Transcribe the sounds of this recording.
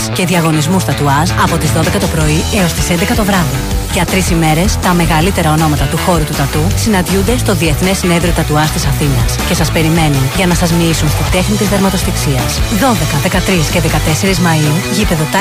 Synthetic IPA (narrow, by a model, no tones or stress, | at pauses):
sce̞ðiɐɣo̞nizmust̪ɐt̪uɐsɐpo̞t̪izðo̞ðe̞kɐt̪o̞pɾo̞ieo̞st̪i̥send̪ekɐt̪o̞vɾɐðiʝɐt̪ɾisime̞ɾe̞st̪ɐme̞ɣɐlit̪e̞ɾɐo̞no̞mɐt̪ɐt̪uxo̞ɾut̪ut̪ɐt̪usinɐnd̪ʝund̪e̞st̪o̞ðie̞θne̞sine̞ðɾot̪ɐt̪uɐst̪isɐθinɐsce̞sɐspe̞ɾime̞nunʝɐnɐsɐzmiisunst̪id̪e̞xnit̪izðeɾmɐt̪o̞st̪iksiɐsðo̞ðe̞kɐðe̞kɐt̪ɾisce̞ðe̞kɐt̪e̞se̞ɾizmɐiuʝipe̞ðo̞t̪